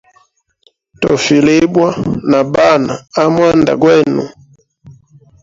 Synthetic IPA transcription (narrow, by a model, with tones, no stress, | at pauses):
tɔ˨fi˨le˦bwa˦na˨ba˦˨naː˨˦mwa˦nda̰˨ɡwɛ˦˨nṵ˨